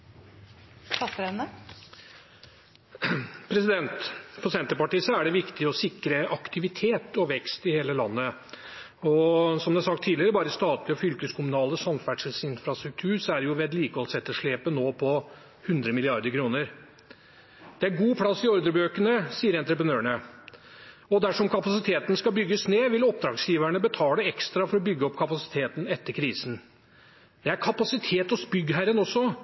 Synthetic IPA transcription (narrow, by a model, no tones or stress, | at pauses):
ɑsɾɛnə | pʰɾɛsɪd̪ɛnt̪fɔɾsɛnt̪əɾpɑʈiːsɛæɖɛʋɪkt̪ɪɔsɪkɾəʔɑkt̪ɪʋɪt̪ʰeːt̪ɔʋɛkst̪ɪheːləlɑnːə | ɔsɔmd̪ɛæsɑkt̪ʰːiːdlɪəɾəbɑːɾəst̪ɑːt̪lɪɔfʏlkəskʰʊmʉnɑːləsɑmfæɖʂəlsɪnfɾɑst̪ɾʉk̚t̪ʰʉːɾsɔæɾjʊʋɛd̪liːkəɔlsɛt̪ːəʂɭeːpənoːpʰɔ | hʉnd̪ɾəmɪlɪɑɾd̪əɾkʰɾuːnəɾ | d̪̥ɛæɾɡuːpʰlɑsːɪɔɾd̪əɾbøːkənəsiːəɾɛnt̪ɾəpɾənøːɳə | ɔd̪æʂɔmkʰɑpɑsɪt̪ʰeːt̪n̩skɑbʏɡːəsneːʋɪlɔp̚d̪ɾɑːɡsjiːʋæɳəbət̪ʰɑːləɛkst̪ɾɑfɔɾɔbʏɡːəɔpːkʰɑpɑsɪ̥t̪ʰeːt̪n̩ɛt̪ːəɾkʰɾiːsn̩ | d̪̥ɛæɾkʰɑpɑsɪt̪ʰeːt̪ɔsbʏɡːəɦæɾənɔsːɔ